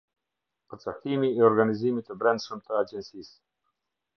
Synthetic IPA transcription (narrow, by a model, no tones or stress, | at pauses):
pəɾt͡saht̪imiɛɔɾɡanizimit̪əbɾɛnd̪ʃəmt̪əad͡ʒɛnsis